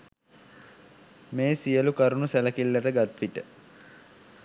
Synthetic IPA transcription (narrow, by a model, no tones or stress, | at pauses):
meːsijəlukaɾunusæləkilːəʈəɡat̪ʋiʈə